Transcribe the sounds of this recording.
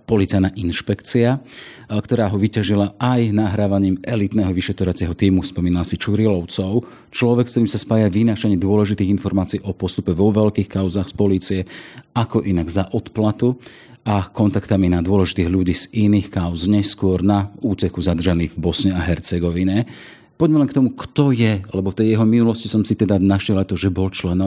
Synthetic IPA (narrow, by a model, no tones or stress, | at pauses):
pɔlit͡sajnaːʔinʃpɛkt͡siakt̪ɔɾaːɦɔʋicaʒilaajnaɦɾaːʋaɲiːmʔɛlit̪nɛːɦɔʋiʃɛt̪ɾɔʋat͡sɪɛɦɔt̪iːmufspɔmiːnalasit͡ʃuɾilɔʊt͡sɔʊ | t͡ʃlɔʋɛkst̪ɔɾiːmsaspaːjaʋinat͡ʃaɲiːd̪ʊɔlɛʒit̪iːɣinfɔɾmaːt͡siiːʔɔpɔst̪upɛʋɔʋɛʎkiːxkaʊzaːxspɔliːt͡siɛakɔʔinaɡzaʔɔt̪plat̪u | akɔnt̪akt̪aminad̪ʊɔlɛʒit̪iːɣʎuɟiːz̥iniːxkaʊzɲɛskʊɔɾnauːt͡sɛkuzad̪r̩ʒaniːɣvbɔsɲɛaɦɛɾt͡sɛɡɔʋiɲɛ | pɔɟmɛlɛnkt̪ɔmukt̪ɔjɛalɛbɔft̪ɛjjɛɦɔminulɔscisɔmsit̪ɛd̪anaʃɛlat̪ɔʒɛbɔlt͡ʃlɛnɔ